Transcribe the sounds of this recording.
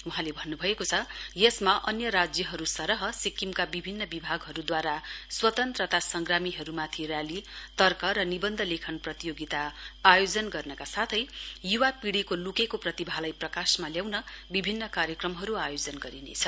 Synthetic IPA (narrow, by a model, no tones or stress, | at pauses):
uɦãlebʱʌnːubʱʌekot͡sʰʌjesmaʔʌnjʌɾad͡zjʌɦʌɾusʌɾʌɦʌsikimkabibʱinːʌbibʱaɡɦʌɾud̪waɾaswʌt̪ʌnt̪rʌt̪asʌŋɡramiɦʌɾumat̪ʰirjalit̪ʌrkʌɾʌnibʌnd̪ʱʌlekʰʌnprʌt̪ijoɡit̪aːjod͡zʌnɡʌrnʌkasat̪ʰʌjjuwapiɽikolukekoprʌt̪ibʱalajprʌkasmaljawnʌbibʱinːʌkaɾjʌkrʌmɦʌɾuajod͡zʌnɡʌɾinḛt͡sʰʌ̥